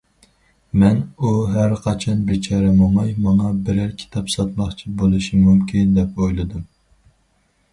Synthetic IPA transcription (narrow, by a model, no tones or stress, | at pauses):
mɛnuɦæɾqʰɑt͡ʃʰɑnbɪt͡ʃʰɑɾɛmomɑjmɑŋɑbɪɾæɾkʲʰi̥t̪ʰɑpsɑt̪mɑχt͡ʃʰibolˠɨʃimumkʲʰind̪ɛpojlˠɨd̪ɨm